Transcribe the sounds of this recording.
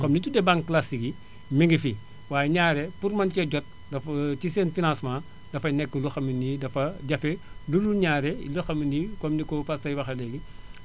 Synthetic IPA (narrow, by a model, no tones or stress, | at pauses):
kɔmnitudɛbaŋklasiɡi | miŋɡifi | waːjɛɲaːɾɛpuɾmɐncɛɟɔt̚ | dɐfciseːnfinãnsmãː | dɐfɐjnɛkːəluxɐminidɐfɐɟɐfɛluluɲaːɾɛ̰ləxɐminikɔmnikɔfasɐjwɐxɐlɛɡi